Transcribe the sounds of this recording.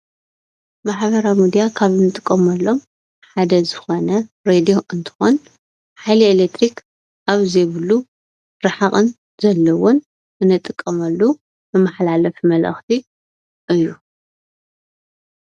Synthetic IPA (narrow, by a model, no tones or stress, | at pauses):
maħβɐɾamid̪ijakʰaβɨnɨt̪ʼɨkʼːɐmɐlːo̞m | ħad̪ɐzɨxo̞nɐ | ɾed̪io̞ʔɨnt̪ʰɨ̥xon | ħajlielek̚t̪ʰɾik | ʔaβzejβɨlːu | ɾɨħaχʼɨn | zɐlːɐwɔn | ɨnɨt̪ʼːɨkʼːɐmɐlːu | bɨmaħlalɐfmɐlʔɐ̰xt̪ʰi | ʔɨjːu